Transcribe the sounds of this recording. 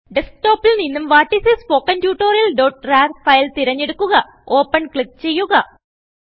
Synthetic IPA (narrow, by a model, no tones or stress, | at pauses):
ɖesk̚ʈo̞ːpːilninːumʋaːʈːisespoːkːɐntjuːʈːoːɾilɖoːʈraːrfɐjlt̪iɾɐɲːeɽukːuɣɐ | oːpːɐnkɭik̚t͡ɕe̞jːuɣɐ